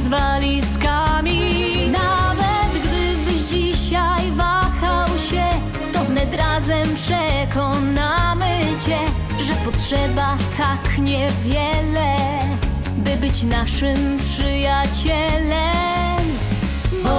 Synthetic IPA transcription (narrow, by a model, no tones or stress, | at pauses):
zvalʲiskamʲi | navɛt̪ɡd̪ɪbɘʑd͡ʑiɕajvaxawɕɛ | t̪ɔvnɛd̪ɾazɛmpʂɛkɔnamɘt͡ɕɛ | ʐɛpɔtʂɛbat̪ʰakɲɛvʲjɛlɛ | bɘbɘt͡ɕnaʂɘmpʂɘjat͡ɕɛlɛ | m